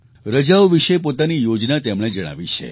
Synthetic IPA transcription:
ɾəd͡ʒaʋʋiʃepot̪anijod͡ʒnat̪emɽ̃ed͡ʒəɽ̃a̰ʋit͡ʃʰḛ

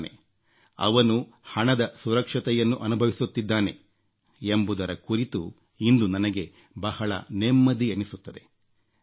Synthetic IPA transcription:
nḛ | ɐ̰ʋɐnuhɐɳɐd̪ɐsuɾɐkʂɐt̪ɛjɐnːuʔɐnubʱɐʋisut̪ːid̪ːaːne̞̰ | embud̪ɐɾɐkuɾit̪u | ind̪unɐnɐɡe̞ | bɐhɐɭɐ̰nemːɐd̪iɐnisut̪ːɐd̪e̞̰

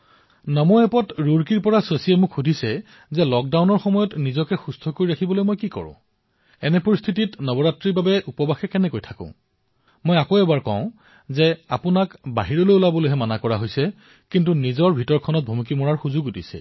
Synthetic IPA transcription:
nɔmɔɛpɔtɹuɹkiɹpɔɹaswesiɛmʊkʰxudʱisɛ | zɛlɔk̚dawnɔɹxɔmɔjɔtnizɔkɛxustʰɔkoɹiɹakʰibɔlojmojkikɔ̰ɹʊ̰̃ | ɛnɛpoɹist̪ʰititnɔbɔɹatɹibabɛupɔbaxɛkɛnɛkojtʰakʊ̰̃ | mɔjakoɛbaɹkɔ̰̃ʊ̃ | zɛa̰pʊnakba̰ɦiɹɔlojulabɔlojɦɛmanakɔɹaɦojsɛ | kint̬unizɔɹbʱitɔɹkʰɔnɔt̚bʱumikimɔɹaɹxuzʊɡudisɛ̰

